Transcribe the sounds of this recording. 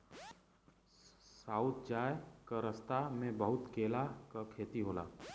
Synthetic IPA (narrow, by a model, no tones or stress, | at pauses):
saːʊt̪̚d͡ʒaːjkəɾəst̪amẽbəɦʊt̪keːlakakʰeːt̪iɦoːla̰ː